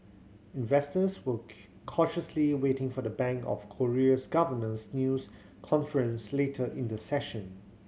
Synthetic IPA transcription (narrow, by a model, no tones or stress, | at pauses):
ɪ̃nvɛstəswə | kʰɔʃəsliwetɪ̃ŋfɔdəbæ̃ŋkɔ̰fkʰɔɹiəsɡavənə̃snjus | kʰɔ̃nfəɹə̃nsletʰəʔɪ̃ndəsɛʃə̃n